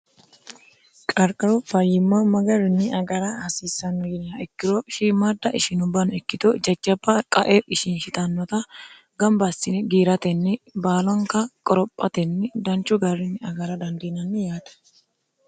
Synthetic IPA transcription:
kʼɐɾkʼɐɾɔfɐjːɪmːɐmɐɡɐɾɪnːɪɐɡɐɾɐhɐsiːsːɐnːɔɪnɐɛkːɪɾɔʃiːmɐd̪ɐʔɪʃɪnʊbːɐnʊɛkːɪt̪ɔd͡ʒɐt͡ʃːɐbːɐkʼɐʔeɪʃɪnʃɪt̪ɐnːɔt̪ɐ | ɡɐmbɐsːɪnɡiːɾɐt̪ɛnːɪbaːlɔŋkɐkʼɔɾɔpʼːɐt̪ɛnːɪd̪ɐnt͡ʃʼːʊɡɐɾɪnːɪɐɡɐɾɐd̪ɐnd̪iːnɐnːɪjaːd̪̥ɐ̥

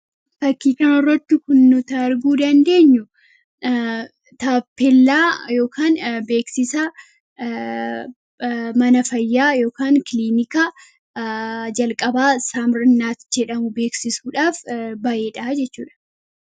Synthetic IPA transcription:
fɐkːiːkɐnɔrːɐt̪ːʊkʊnːʊt̪ɐɾɡuːd̪ɐnd̪e̞ːɲːʊ | t̪aːpːɛlːaːjo̞ːkʰaːnbe̞ːksɪsɐ | mɐnɐfɐjːaːjo̞ːkaːŋkɪliːnɪkɐ | d͡ʒɐlkʼɐbaːsaːmɾɪnːaːt̪d͡ʒɛᶑɐmʊbe̞ːksɪsuːᶑaːfbɐʔe̞ːᶑɐd͡ʒɛt͡ʃːuːᶑɐ̥

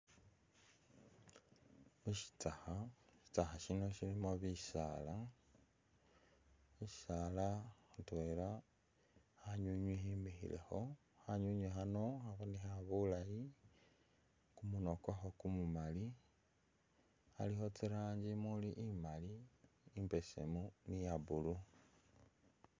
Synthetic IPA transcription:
muʃi̥taxaʃi̥taxaʃinoʃilimoβisa̰la | iʃi̥salaxutwela | haɲuɲwihiːmbixḭle̞̰xo̞ | xaɲuɲexano̞xaβonixaβulaji | kumuno̞kwaxokumumali | a̰lixo̞t͡siɾaːɲd͡ʒimuliʔimaliːmbe̞sḛmunijaβulu

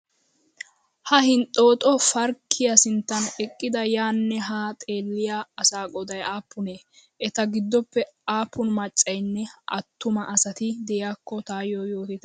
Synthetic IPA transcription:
hɐhɪnt̪ʼːo̞ːt̪ʼɔfɐɾkʰːɪjɐsɪnt̪ːɐnɛkʼːɪd̪ɐjaːnːɛɦaːt̪ʼeːlːɪjaːsaːɡʼɔd̪ɐjaːpːʊneː | ʔɛt̪ɐɡɪd̪ːɔpːɛaːpːʊnmɐt͡ʃʼːɐjnːɛʔɐ̰t̪ːʊmɐʔɐsɐt̪ɪd̪ɛjjaːkːɔt̪aːjojoːt̪ɪt̪ɛ

